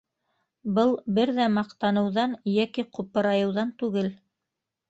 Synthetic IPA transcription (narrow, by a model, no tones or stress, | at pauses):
bɤlˠbɘɾðæmɑqt̪ɑnɤ̆wðɑnjækiqʰupɤ̆ɾɑjɤ̆wðɑnt̪ʉɡɘl